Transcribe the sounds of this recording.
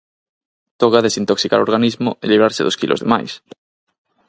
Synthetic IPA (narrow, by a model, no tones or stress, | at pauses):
t̪oɣaðesint̪oksika̰ɾoɾɣanizmʊeliβɾaɾseðoskilʔo̰zðema̰js